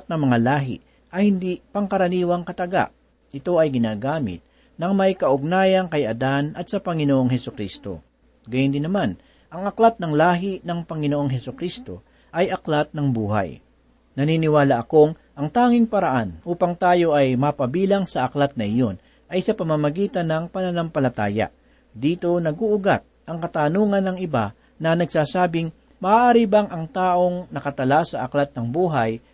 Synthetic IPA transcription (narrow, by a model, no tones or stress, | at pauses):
t̪̚nɐŋmɐŋalaːɦɪ̰ | ʔɐjhɪnd̪ipɐŋkɐɾɐniːwɐŋkɐt̪ɐɡa̰ʔ | ʔɪt̪o̞ɐjɡɪnaːɡaːmɪ̰t̪̚ | nɐŋmɐjkɐʔʊɡ̚naːjɐŋkɐjɐd̪anʔɐt̪̚sɐpɐŋɪnoʔo̞ŋɦɛsʊkɾist̪o̞̰ | ɡɐjʊnd̪ɪnːɐman | ʔɐŋɐklat̪̚nɐŋlaːɦɪnɐŋpɐŋɪnoʔo̞ŋɦɛsʊkɾist̪o̞̰ | ʔɐjʔɐklat̪̚nɐŋbuːɦa̰j | nɐniːnɪwaːlɐʔɐko̞ŋ | ʔɐŋt̪aːŋɪŋpɐɾɐʔanʔuːpɐŋt̪aːjo̞ʔɐjmɐpɐbiːlɐŋsɐʔɐklat̪̚nɐʔɪjo̞n | ʔɐjsɐpɐmɐmɐɡiːt̪ɐnɐŋpɐnɐlampɐlɐt̪aːjɐa̰ | d̪iːt̪o̞nɐɡuʔʊɡat̪̚ʔɐŋkɐt̪aːnuːŋɐnːɐŋɪba̰ | nɐnɐɡsaːsaːbɪŋ | mɐʔaːʔaːɾibaŋʔɐŋt̪aːʔo̞ŋnɐkɐt̪ɐlasɐʔɐklat̪̚nɐŋbuːɦɐj